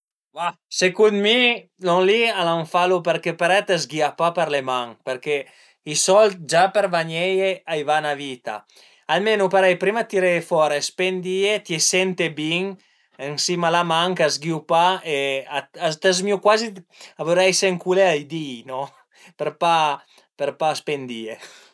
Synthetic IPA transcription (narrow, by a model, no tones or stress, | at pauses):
vasekunmilɔŋlialaɱfalupeɾkepaɾɛt̪azɡiapapeɾlemaŋpeɾke | isɔlt̪̚d͡ʒapeɾvaɲɛjeajvanavit̪a̰ | almenupaɾɛjpɾimat̪iɾɛfɔɾespend̪iet̪jesɛnt̪ebiŋ | ensimalamaŋkazɡiupaeaat̪azmiukwaziavuɾɛjsɛŋkuleajd̪iːnɔ | peɾpa | peɾpaspend̪ie